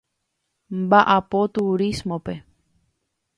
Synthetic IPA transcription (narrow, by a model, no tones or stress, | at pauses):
mbaʔapot̪uɾismõpe